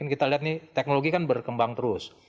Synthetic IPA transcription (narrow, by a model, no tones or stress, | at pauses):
ɪnkit̪aliɦat̪̚nɪt̪ɛk̚noloɡikanbərkəmbaŋt̪əɾʊs